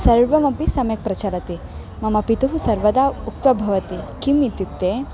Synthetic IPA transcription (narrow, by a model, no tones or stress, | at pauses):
sɐɾʋɐmɐpisɐmjɐk̚pɾɐt͡ɕaɾɐt̪i | mɐmɐpit̪uɦusɐɾʋɐd̪auk̚t̪ʋɐbʱɐʋɐt̪ikimːit̪juk̚t̪e